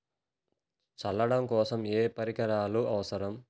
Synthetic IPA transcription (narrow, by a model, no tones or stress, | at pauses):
t͡ʃɐlːɐɽɐmkɔːsɐmeːpɐɾikɐɾaːluʔɐʋɐsɐɾɐm